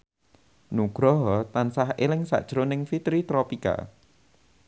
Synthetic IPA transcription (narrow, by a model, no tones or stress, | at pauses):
nuɡ̥ɾɔɦɔt̪ansahelɪŋsa̰ʔd̥ʒ̥ɾʊnɪŋfit̪ɾit̪ɾɔpika̰